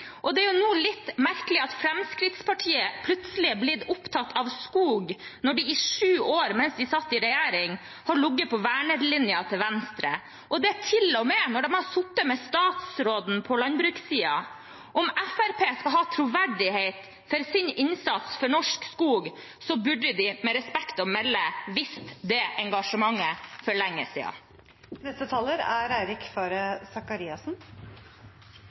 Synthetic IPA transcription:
ʔɔd̪ɛæɾjʊnuːlɪt̪ːmæɾkəlɪɑt̪fɾɛmskɾɪt̪spʰɑʈʰiːəpʰlʉt̪səl̩ɪblɪd̪ʊpt̪ʰɑt̪ʰːɑʋskuːɡnɔɖɪɪʂʉːoːɾmɛnsd̪ɪsɑt̪ːɪɾɛjæːɾɪŋ | hɑɾɭʊɡːəpʰɔʋæːɳəɾlɪnjɑt̪ʰɪlʋɛnst̪ɾə̰ | ʔɔd̪ɛt̪ʰɪlɔmeːnɔɖɛmhɑsʊt̪ːəmɛst̪ɑːt̪sɾoːd̪n̩pʰɔlɑnbɾʉːksiːɑ̰ | ʔɔmæfæɾpʰeːskɑɦɑːt̪ʰɾuʋæɖɪheɪt̪ | fɔɾsɪnɪnsɑt̪sfɔɳɔʂkskuːɡ | sɔbʉɖəd̪ɪmɛɾɛspɛkt̪ɔmɛlːəʋɪst̪d̪ɛːʔɛŋɡɑʂəmɑŋːəfɔɾɭɛŋːə̰sḭːɑ̰ | nɛst̪ət̪ʰɑːləɾæɾæɪɾɪkfɑːɾəsɑkɑɾiːɑsn

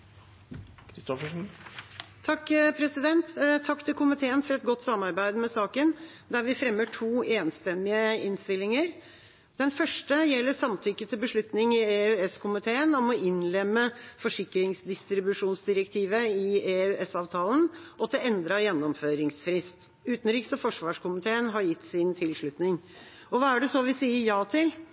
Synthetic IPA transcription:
kʰɾɪst̪ɔfəʂn̩ | t̪ʰɑkːpʰɾɛsɪd̪ɛnt̪t̪ʰːɑkːt̪ɪlkʰʊmɪt̪ʰeːənfɔɾɛt̪̚ɡɔt̪ːsɑmːɑɾbæɪd̪mɛsɑːkən | d̪æɾʋɪfɾɛmːəʈʰuːeːnst̪ɛmɪəɪnst̪ɪlːɪŋəɾ | d̪̥ɛnfœʂʈəjɛlːəɾsɑmt̪ʰʏkːət̪ʰɪlbəʂɭʉt̪nɪŋɪeʉɛskʰʊmɪt̪ʰeːənɔmɔɪnlɛmːəfɔʂɪkɾɪŋsd̪ɪst̪ɾɪbʉʂuːnsd̪ɪɾəkt̪ʰiːʋəɪeʉːɛsɑːʋt̪ʰɑːln̩ʔɔt̪ʰɪlɛnd̪ɾɑjɛnːɔmføːɾɪŋsfɾɪst̪ | ʉːt̪n̩ɾiːksɔfɔʂʋɑːʂkʊmɪt̪ʰeːənɦɑɾjɪt̪ːsɪnt̪ʰɪlʂɭʉt̪nɪŋ | ɔʋɑːæɖɛsɔʋɪsiːəɾjɑːt̪ʰɪl

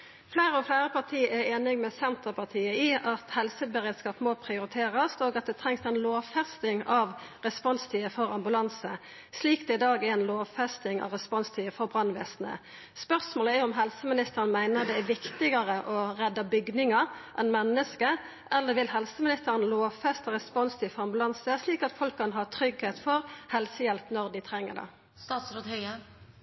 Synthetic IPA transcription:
flæɪɾəɔflæɪɾəpʰɑʁt̪ʰiːæɾeːnɪŋmɛsɛnt̪əʁpʰɑʁt̪ʰiːəɪɑt̪hɛlsəbəʁeːd̪skɑːpmoːpʰɾɪʊɾɪt̪ʰeːʁəst̪oːɡɑt̪̚d̪ɛt̪ʰʁɛŋsɛnloːʋfɛst̪ɪŋɑʋʁɛspɔnst̪ʰiːəfɔʁɑmbʉlɑnsə | sliːkd̪ɛɪd̪ɑːɡæɾɛɪnloːʋfɛst̪ɪŋɑ̰ʋʁɛspɔnst̪ʰiːəfɔʁbʁɑnʋeːsnə̰ | spœʁsmoːləɛɾʊmɦɛlsəmɪnɪst̪əʁənmæɪnəʁd̪ɛæʋɪkt̪ɪɡəʁəʔɔʁɛd̪ːɑbʏɡnɪŋəʔɛnmɛnːəskə | ʔɛlːəɾʋɪlɦɛlsəmɪnɪst̪əʁənloːʋfɛst̪əʁɛspɔnst̪ʰiːfɔʁɑmbʉlɑnsəsliːkɑt̪fɔlkʰːɑnɦɑːt̪ʰɾʏɡheːt̪fɔʁhɛlsəjɛlpnɔʁd̪ɪt̪ʰɾɛŋːə̰d̪ɛ̰ | st̪ɑːt̪sɾot̪hœʏə

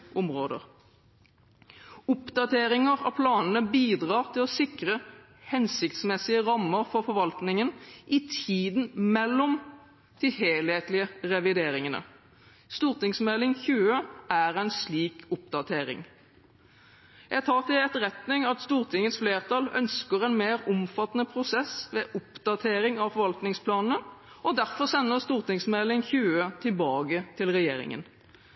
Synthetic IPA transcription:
ʔʊmʁoːd̪ə̰ʁ | ʊpd̪ɑt̪ʰeːɾɪŋəʁɑ̰pʰlɑːnənəbiːd̪ʁɑːʁt̪ʰɪlɔsɪkʁə | hɛnsɪkt̪smɛsɪəʁɑmːəʁfɔʁfɔʁʋɑlt̪nɪŋənʔɪt̪ʰiːd̪nmɛlːɔm | d̪̥ɪheːlheːt̪lɪəʁɛʋɪd̪eːɾɪŋənə̰ | st̪uːʁt̪ɪŋsmɛlɪŋçʉːəʔæʁæɪnsliːkʊp̚d̪ɑt̪ʰeːɾɪ̰ŋ | jæt̪ʰɑːʁt̪ɪɛt̪ʁɛt̪nɪŋɑt̪st̪uːʁt̪ʰɪŋːət̪sfleːʁt̪ʰɑlœ̰nskəʁɛnmeːʁʊmfɑt̪ːnəpʰɾʊsɛsʋeːʔʊpd̪ɑt̪ʰeːɾɪŋɑfɔʁʋɑlt̪nɪŋspʰlɑːnn̩əɔd̪æʁfɔʁsɛnːəʁst̪uːʁt̪ɪŋsmɛlɪŋçʉːət̪ʰɪlbɑːɡət̪ʰɪlʁɛjḛːɾɪ̰ŋə̰n

